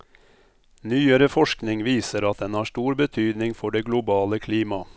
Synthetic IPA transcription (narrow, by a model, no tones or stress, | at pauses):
nyːəɾəfɔʃknɪŋʋiːsəɾɑt̪̚d̪ɛnhɑːʂʈuːɾbət̪ʰyːd̪nɪŋfɔɖeːɡlʊbɑːləkʰliːmɑ